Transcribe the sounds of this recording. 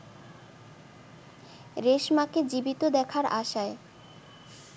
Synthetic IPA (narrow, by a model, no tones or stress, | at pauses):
ɾeʃmaked͡ʑibit̪od̪ɛkʰaɾa̰ʃae